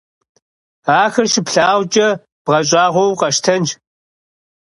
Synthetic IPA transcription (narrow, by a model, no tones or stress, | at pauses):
aːxɐrʃɪpɬaːwʷt͡ʃʼɐ | b̥ʁɐɕʼaːʁʷɔwqɐʃtʰɐnt͡ʃ